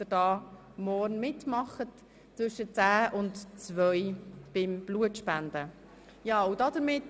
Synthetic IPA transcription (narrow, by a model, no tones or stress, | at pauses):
əɾd̥ɑː | mɔrnmɪtmɑχət | t͡sʋʏʃət͡sæːʔʊntt͡svœjb̥ɪmb̥luətʃpænd̥ə | jɑːʊdɑdəɾmɪt